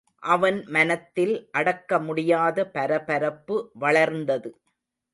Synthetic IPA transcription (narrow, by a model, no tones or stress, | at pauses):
ʔɐʋɐnmɐnɐt̪ːɪlʔɐɽɐkːɐmʊɽɪjaːðɐpɐɾɐpɐɾɐpːɯʋɐɭɐɾnd̪ɐðɯ